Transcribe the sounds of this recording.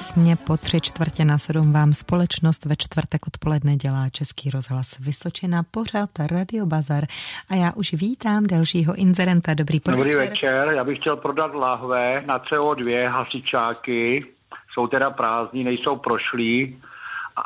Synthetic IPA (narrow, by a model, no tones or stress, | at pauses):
sɲɛpo̞t̪r̥ɪt͡ʃt̪vr̩cɛnasɛdumvaːmspo̞lɛt͡ʃnost̪vɛt͡ʃt̪vr̩t̪ɛkʔot̪po̞lɛdnɛɟɛlaːt͡ʃɛskiːɾozɦlasvɪsot͡ʃɪnapo̞r̝at̪ɾadɪo̞bazaɾʔajaːʔuʃviːt̪aːmdalʃiːɦoʔɪnzɛɾɛnt̪adobɾiːpodobɾiːvɛt͡ʃɛɾjaːbɪxcɛlpɾodat̪laɦvɛnat̪t͡sɛodvjɛɦasɪt͡ʃaːkɪ | so̞wt̪ɛdapɾaːzɲinɛjsowpɾoʃliː